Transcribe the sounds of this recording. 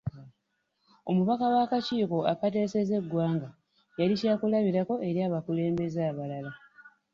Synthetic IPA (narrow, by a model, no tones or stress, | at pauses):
o̞muβakawakaciːko̞akate̞ːse̞ze̞ɡwaːŋɡa | jalicaːkulaβiɾako̞ʔe̞ɾjaːβakule̞ːmbe̞zaːβalala